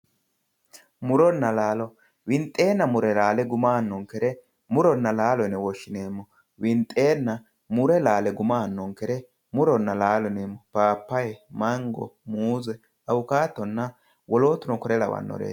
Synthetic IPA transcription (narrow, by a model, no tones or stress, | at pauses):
mʊɾɔnːɐlaːlɔ | wɪnt̪ʼːe̞ːnːɐmʊɾɛlaːlɛɡʊmaːnːɔŋkɛɾɛ | mʊɾɔnːɐlaːlɔnɛwɔʃːɪneːmːɔ | wɪnt̪ʼe̞ːnːɐ | mʊɾɛlaːlɛɡʊmaːnːɔŋkɛɾɛ | mʊɾɔnːɐlaːlɔneːmːɔpaːpːɐjmɐŋɡɔ̰muːzɛ | ɐwʊkaːt̪ːɔnːɐ | wɔloːt̪ːʊnɔkɔɾɛlɐ̰wɐ̰nːɔ̰ɾḛː